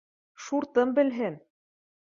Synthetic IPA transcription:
ʃuɾt̪ɤmbɘ̆lɦɘn

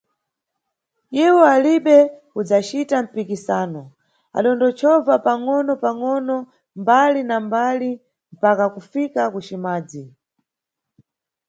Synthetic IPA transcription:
iwɔaliɓɛ | ud͡zat͡ʃitam̩pikisaːnɔ | a̰ɗɔndɔt͡ʃʰɔvapaŋɔnɔpaŋɔnɔ | mbalinambali | m̩pakakufikakut͡ʃimaːd͡zi

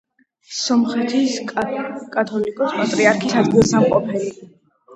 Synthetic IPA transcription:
sɔmχɛt̪ʰis | kʼat̪ʰɔlikʼɔspʼat̪ʼɾiaɾkʰisad̪ɡilˠsamqʼɔpʰɛli

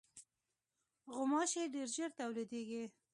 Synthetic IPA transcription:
ɣʊmɑʃeɖeɾʒəɾt̪awlid̪eɡi

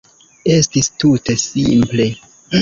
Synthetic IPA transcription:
e̞stistute̞sḭmple̞

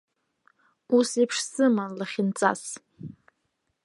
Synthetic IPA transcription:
usipʰʂsɨmanlaχʲɪnt͡sʼa̰s

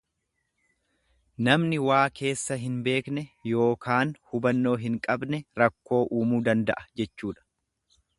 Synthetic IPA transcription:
nɐmnɪwaːkʰe̞ːsːɐɦɪnbe̞ːknɛjo̞ːkaːnhʊbɐnːo̞ːɦɪŋkʼɐbnɛɾɐkːo̞ːʔuːmuːd̪ɐnd̪ɐ̰ʔɐd͡ʒɛt͡ʃːuːᶑɐ̥

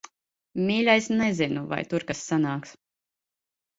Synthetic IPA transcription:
mʲiːlʲajsnɛzinuva̰jt̪uɾkasːanaːks

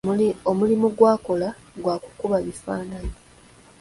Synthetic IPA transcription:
omulimuɡwaːko̞la | ɡwaːku̥kuβaβifaːnaɲi

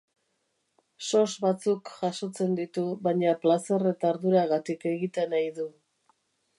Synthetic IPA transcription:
so̞zβat͡sukʝaso̞t͡se̞nd̪it̪uβajɲaplasere̞t̪aːɾðuɾaɣat̪ike̞ɣit̪e̞najðu

